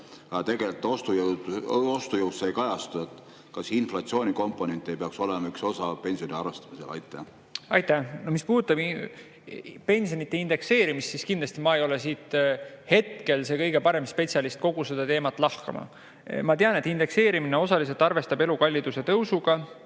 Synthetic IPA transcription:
ɑɑt̪e̞ɡelt̪ːost̪ujod̪ost̪ujəwssejkɑjɑst̪uet̪ːˑ | kɑsinflɑt̪sio̞ːnʲiko̞mpːˑone̞nt̪ʲːˑejpeɑkso̞lemɑykso̞sɑpe̞nsijo̞nʲiɑrvest̪ɑ̥miselɑ̰jt̪ːˑæ | ɑjt̪ːænomispuːd̪ut̪ːˑɑb | pe̞nʲsijonit̪ːe̞ind̪e̞kse̞ːɾimist̪siskind̪lɑsʲt̪imɑejo̞le̞s̬iːt̪he̞t̪̚ke̞lse̞kɤ̞jɡe̞pɑɾe̞mspe̞t̪ʲsjɑlist̪̚ko̞ɡ̥use̞d̪̥ɑt̪eːmɑt̪ːˑlɑhkɑ̰mɑ̰ | mɑt̪eɑne̞t̪ːˑind̪e̞kse̞ːɾimineo̞sɑlis̬elt̪ˑɑrve̞st̪ɑbelukɑlʲːid̪̥use̞t̪ɤwsuɡ̥ɑ

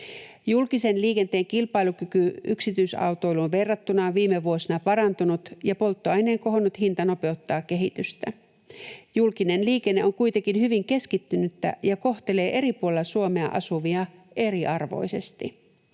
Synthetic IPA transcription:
julkise̞nliːke̞nt̪e̞ːŋkilpɑilukykyʔyksit̪yisɑ̰wt̪o̞jlunʋe̞rːɑt̪ːunɑʋiːmeʋuosinɑpɑɾɑnt̪unut̪jɑpo̞lt̪ːoɑeneːŋko̞ɦonːut̪hint̪ɑno̞pe̞ot̪ːɑːkkːe̞ɦit̪yst̪æ | julkine̞nliːkenːe̞oŋkujt̪ekinhyʋiŋke̞skit̪ːynyt̪ːæ̰jɑko̞ht̪ele̞ːʔe̞ɾipuolelːɑsuomeɑʔɑ̰suʋiɑʔe̞ɾiʔɑrʋo̞̰jse̞st̪i

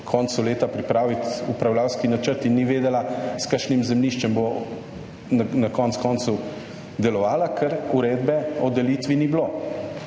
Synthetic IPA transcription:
kʰɔnsuleːt̪apɾipɾaːʋit̪upɾawlawskinat͡ʃəɾt̪inːiʋeːd̪ɛlaskaʃnimzɛmliʃt͡ʃɛmbo | nakɔnt̪skɔːnsu | d̪ɛlɔʋaːlakʰɛɾuɾeːd̪bɛɔd̪ɛliːt̪ʋinibloː

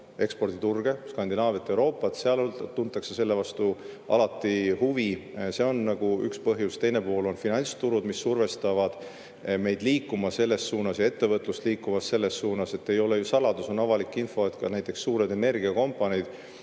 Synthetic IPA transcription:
e̞kspo̞rd̪̥it̪urɡ̥e̞skɑnd̪inɑːvet̪ːˑewɾo̞ːpːˑɑt̪seɑlolt̪unt̪ːˑɑkse̞se̞lːevɑst̪uʔɑ̰lɑt̪ːˑihuvise̞o̞nːɑɡ̥uy̰kspɤ̞ɦjust̪e̞jne̞po̞ːlo̞nfinɑnʲst̪uɾud̪misːurve̞st̪ɑvɑd̪̥ | me̞jd̪̥liːkːˑumɑse̞lːe̞sːuːnɑsjɑet̪ːe̞vɤt̪ˑlust̪liːkːuvɑsse̞lːe̞sːuːnɑse̞t̪ːe̞jo̞lejusɑlɑd̪̥uso̞nɑvɑlikːˑinfo̞et̪kɑ̰næjt̪ˑːe̞ksːuːɾed̪e̞ne̞rɡ̥iɑko̞mpːˑɑnʲid̪̥

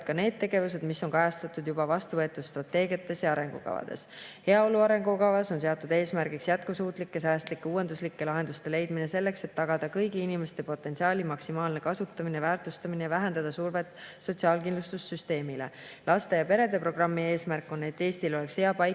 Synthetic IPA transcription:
d̪̚kɑne̞ːd̪̥̚t̪ːe̞ɡe̞vus̬e̞d̪misːo̞nkɑjɑst̪ɑt̪ːˑud̪jubɑvɑst̪uvɤ̞e̞t̪ːˑud̪̥st̪rɑt̪ːe̞ːɡiɑt̪ːˑe̞sjɑɑɾe̞ŋɡ̥ṵkɑ̰vɑ̰d̪̥e̞̰she̞ɑo̞luɑɾe̞ŋɡukɑvɑso̞ns̬e̞ot̪ːˑud̪e̞ːsmærɡ̥iksjæt̪̚kusuːt̪ˑlikːe̞sæːst̪likːeuːe̞nd̪uslikːe̞lɑɦe̞nd̪ust̪e̞le̞jd̪mine̞se̞lːe̞kset̪ːɑɡ̥ɑd̪̥ɑkɤjɡiinime̞st̪e̞po̞t̪ːˑe̞nsiɑːlʲimɑksimɑːlnekɑsut̪ːɑminevæːrt̪ˑust̪ɑminejɑvæɦend̪̥ɑd̪̥ɑsuːrvet̪ːˑso̞t̪siɑːlkinlust̪usːyst̪e̞ːmile̞̰ | lʔɑst̪e̞jɑpe̞ɾe̞d̪e̞pro̞ɡ̥rɑmːie̞ːsmærkːˑonet̪ːe̞ːst̪ilo̞le̞ksheɑpɑj

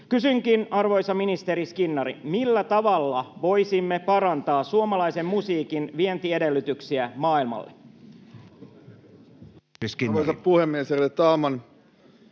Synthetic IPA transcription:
kysyŋkinɑrʋo̞jsɑminist̪e̞ɾiskinːɑɾḭmilːæt̪ɑʋɑlːɑʋo̞jsimːepɑɾɑnt̪ɑːsuomɑlɑjse̞mmusiːkinʋie̞nt̪ie̞de̞lːyt̪yksiæmɑːilmɑ̰lːḛ | skiojsɑppuhemːieserilet̪ɑːmɑn

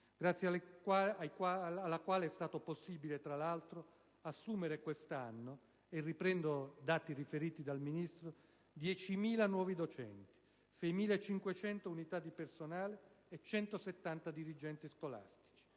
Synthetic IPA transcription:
ɡɾat̪sːjajkalːakwaːleɛst̪aːt̪oposːibilet̪ɾalalt̪ɾo | asːuːmeɾekwest̪anːo | erːipɾɛnd̪od̪aːt̪irifeɾiːt̪id̪alminist̪ɾo | d̪jɛt͡ʃimiːlanwɔːvid̪ot͡ʃɛ̰nt̪i̥ | sɛjmiːlaet͡ʃːiŋkwet͡ʃɛnt̪ounit̪ad̪ːipersonaːleːt͡ʃːɛnt̪oset̪ːant̪ad̪iɾid͡ʒɛnt̪iskola̰st̪i̥t͡ʃi̥

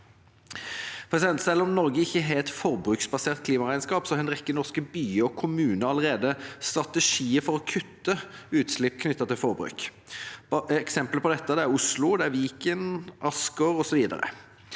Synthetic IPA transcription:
pʰʁɛsɪd̪ɛnt̪sɛlːəʁɔmnɔʁɡəɪçːəɦeːɛt̪fɔʁbʁʉːksbɑseːʁt̪̚kʰliːmɑʁæɪnskɑːpsɔhɛnʁɛkːənɔʁskəbyːɔkʰʊmʉːnəɑləɾeːd̪əst̪ʁɑt̪ɛʂiːəfɔʁɔkʰʉt̪ːəʉːt̪slɪpːkʰnʏt̪ːɑt̪ʰɪlfɔɾbɾʉ̰ːk | ɛksɛmpləpʰɔd̪ɛt̪ːəd̪ɛæʁʊslʊd̪ɛæʋiːkənʔɑskəɾɔsɔʋiːd̪ə̰ɾə̰

